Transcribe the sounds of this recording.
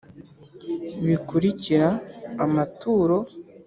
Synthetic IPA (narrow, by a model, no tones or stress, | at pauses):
βikuɾiciɾaːmatuːɾo̞